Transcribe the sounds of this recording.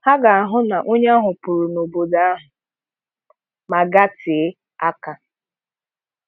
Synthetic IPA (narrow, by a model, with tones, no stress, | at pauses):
ha˦ɡa˨a˨ɦʊ˦na˨ʔo˦ɲa˦ɦʊ˨pʊ˨ɾʊ˨no˨bo˨da˦a˦ɦʊ˨ | ma˨ɡa˦tʰɪ˨˦ | a˦ka˨